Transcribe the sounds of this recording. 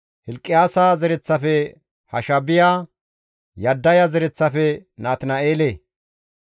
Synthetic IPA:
hɪlkʼːɪjaːsaːzɛɾɛt͡sːɐfɛ | hɐʃɐbɪjaː | jɐd̪ːɐjɐzɛɾɛt͡sːɐfɛnaːt̪naeːleː

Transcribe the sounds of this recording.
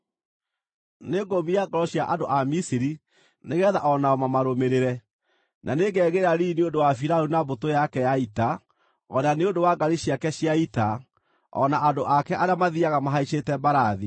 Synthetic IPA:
neɡomiaɡɔɾɔɕjaʔandoʔamisiɾi | neɣɛːðaʔɔnaɔmamaɾomeɾeɾɛ | nʔaneɡɛːɣeɾaɾiːneondowafiɾaunabotojakɛjaita | ɔnaneondowaɡaɾiɕiakɛɕjaita | ɔ̰naʔandoʔakɛʔaɾeamaðiaɣamaɦaiʃetɛbaɾaði

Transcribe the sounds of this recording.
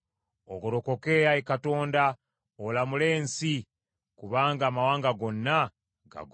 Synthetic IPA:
oɡoɾoko̞ke̞jaekato̞ːnda | olamule̞ːnsi | kuβaːŋɡaːmawaːŋɡaɡo̞nːa | ɡa̰ɡ

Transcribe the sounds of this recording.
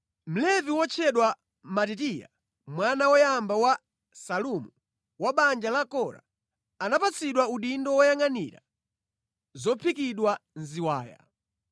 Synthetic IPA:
m̩lɛviwɔt͡ʃʰɛɗwa | matit̬ija̰ | mwanawɔjambawa | salumu | waɓand͡ʒalakɔɾa̰ | anapat͡sʰiɗwauɗindɔwɔjaŋanḭɾa̰ | zɔpʰikiɗwanziwa̰ːja̰

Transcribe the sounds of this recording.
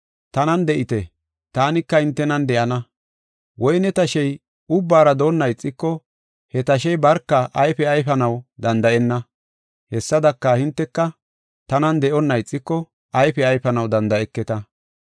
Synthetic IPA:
t̪ɐnɐnd̪ɛʔɪt̪ɛ | t̪aːnɪkːɐhɪnt̪ːɛnɐnd̪ɛʔɐnɐ | wʔɔjnɛt̪ɐʃɛj | ʊbːaːɾɐd̪o̞ːnːɐjt͡sʼːɪkːɔ | hɛt̪ɐʃ̬ɛjbɐɾkːɐʔɐjfɛɐjpɐnɐwd̪ɐnd̪ɐʔɛnːɐ | hɛsːɐd̪ɐkːɐhɪnt̪ːɛkːɐ | t̪ɐnɐnd̪ɛʔɔnːɐjt͡sʼːɪkːɔ | ɐjfɛɐjpɐnɐwd̪ɐnd̪ɐʔɛkːɛt̪ɐ

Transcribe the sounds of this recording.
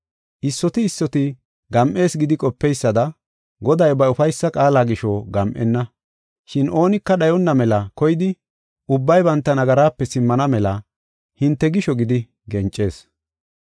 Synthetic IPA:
ʔɪsːɔt̪ɪːsːɔt̪ɪ | ɡɐmʔe̞ːsɡɪd̪ɪkʼɔpːɛjsːɐd̪ɐ | ɡɔd̪ɐjbɐʊfɐjsːɐkʼaːlaːɡɪʃoɡɐmʔɛ̰nːɐ | ʃɪnʔo̞ːnɪkːɐɗɐjɔnːɐmɛlɐkɔjɪd̪ɪ | ʔʊbːɐjbɐnt̪ːɐnɐɡɐɾaːpːɛsɪmːɐnɐmɛlɐ | hɪnt̪ːɛɡɪʃɔɡɪd̪ɪ | ɡɛnt͡ʃʼːe̞ːs

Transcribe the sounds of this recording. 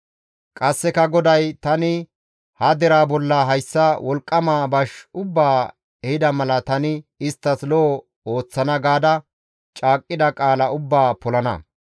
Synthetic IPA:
kʼɐsːɛkɐɡɔd̪ɐjt̪ɐnɪ | hɐd̪ɛɾaːbɔlːɐɦɐjsːɐwʔɔlkʼːɐmaːbɐʃʊbːaː | ɛhɪd̪ɐmɐlɐt̪ɐnɪɪst̪ːɐslo | o̞ːt͡sːɐnɐɡaːd̪ɐ | t͡ʃʼaːkʼːɪd̪ɐkʼaːlɐʊbːaːpɔlɐnɐ̰

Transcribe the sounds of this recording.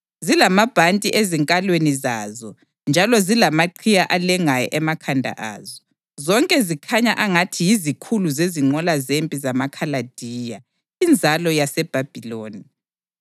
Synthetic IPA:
zilamab̥ʱantʼiʔeziŋkʼalwenizaːzɔ | nd͡ʒʱalɔzilamaǃʰijaʔalɛŋajɔ̰ʔɛmakʰandʱa̰ʔa̰ːzɔ | zɔŋkʼɛzikʰaɲaʔaŋatʰijizikʰuluzeziŋ͡ǃɔlazempʼizamakʰalad̥ʱiːja | ind͡zʱalɔjasɛb̥ʱab̥ʱiloːni

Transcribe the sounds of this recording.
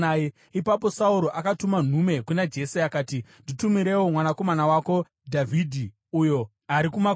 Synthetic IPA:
e | ipapo̞sauɾo̞ʔakatuman̤ume̞kunad͡ʒe̞seakaːtinditumiɾe̞womwanako̞manawako̞ | dʱavʱidʱi | ujo̞ | aɾikuma

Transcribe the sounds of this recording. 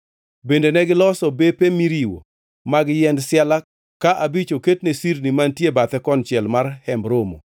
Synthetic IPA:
bendenɛɡɪlɔsɔbepemiɾiwo̰ | maɡɪjɛndsɪala | kaʔabit͡ʃoketnesirnimantjebat̪ɛkɔnt͡ʃjɛlmarhɛmbɾomo̰

